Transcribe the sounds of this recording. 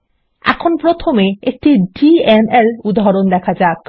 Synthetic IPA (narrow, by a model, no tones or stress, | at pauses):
ɛ̰kʰonpɾot̪ʰomeek̚ʈiɖienelud̪aɦɾond̪ɛkʰad͡ʑak